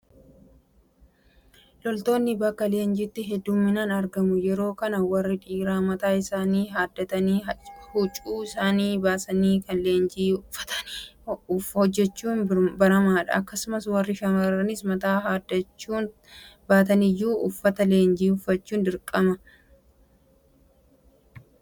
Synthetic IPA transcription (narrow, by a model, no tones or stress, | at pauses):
lɔlt̪o̞ːnːɪbɐkːɐle̞ːnd͡ʒɪt̪ːɪɦɛd̪ːʊmːɪnaːnɐɾɡɐmʊjɛɾo̞ːkɐnɐwɐrːɪᶑiːɾaːmɐt̪aːɪsaːniːɦaːd̪ːɐt̪ɐniːhʊt͡ʃʼuːɪsaːniːbaːsɐniːkɐnle̞ːnd͡ʒiːʊfːɐ̥t̪ɐ̥n | hɔd͡ʒːɛt͡ʃːuːnbɐɾɐmaːᶑɐ̰ʔɐkːɐsʊmɐswɐrːɪʃɐmɐɾɐnɪsmɐt̪aːɦad̪ɐt͡ʃːuːn | baːt̪ɐnɪjːuːʔʊfːɐt̪ɐle̞ːnd͡ʒiːʊfːɐt͡ʃːuːnd̪ɪɾkʼːɐmɐ